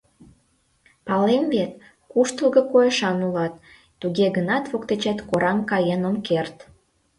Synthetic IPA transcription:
pɑlemvet̪ | kuʃt̪əlˠɣɤ̆kojeʃɑnulɑt̪ː | uɣeɣənɑt̪βokt̪et͡ɕɑt̪koɾɑmkɑjenomkert̪

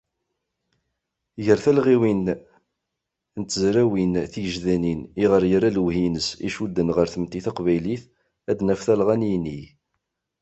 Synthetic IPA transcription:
ʝəɾθælʁiwin | nt̪ːəzɾæwinθijəʒðæniniʁəɾjəɾalwhinəsḭʃud̪ːənʁəɾθəmt̪iθɑqvæjliθ | æd̪næfθælʁænjni

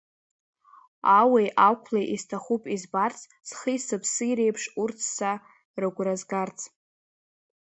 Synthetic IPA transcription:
awejʔawkʷʰlejʔistʰaχupʼizbart͡sʰʼ | sχijsɨpʰsɨjɾejpʰʂurt͡sʰːa | rɨɡʷrazɡart͡sʰʼ

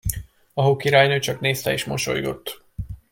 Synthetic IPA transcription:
ɒɦokiɾaːjnøːt͡ʃɒkneːst̪ɛeːʃmo̞ʃo̞̰jɡo̞̰t̪ː

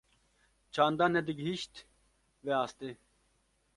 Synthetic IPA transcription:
t͡ɕʰaːnd̪anɛd̪iɡɦiɕt̪ | ʋeaːst̪e

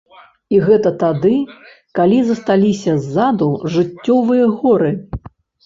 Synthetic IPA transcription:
iɣɛt̪ɐt̪ad̪ɨ | kalʲizɐst̪alʲisʲɐzːad̪uʐɨt͡sʲːɔvɨjɐɣɔɾɨ

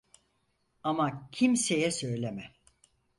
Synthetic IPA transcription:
amacʰimsejɛsø̞jlʲemɛ

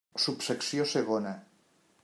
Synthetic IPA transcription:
supseksioseɣ̞ona

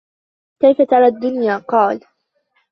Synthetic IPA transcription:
kajfat̪ɑɾˤɑːd̪ːʊnjaːqɑːl

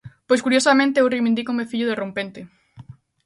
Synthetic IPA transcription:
pojskuɾjosamẽnt̪eewriβĩnd̪ikomefiʎʊðerompent̪ɪ

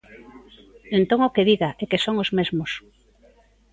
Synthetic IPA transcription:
ẽnt̪oŋokeðiɣaʔɛkesoŋozmezmos

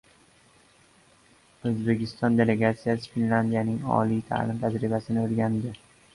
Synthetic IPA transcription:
ɵzbe̞kʲʰɪst̪ɒnd̪e̞le̞ɡat̪sijasɪfinland̪ijanɪŋɒ̰lit̪ʰa̰lɪmt̪ʰad͡ʒɾɪbasɪnɪɵlɡʲand̪ɪ

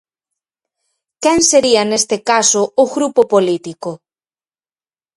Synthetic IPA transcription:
kɛŋseɾiɐnest̪ekasʊʊɣɾupopolit̪ikʊ

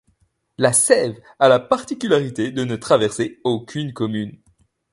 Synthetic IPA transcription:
lasɛv | alapaʁt̪ikʲylaʁit̪ed̪ənət̪χavɛʁseokʲʰynkɔmyn

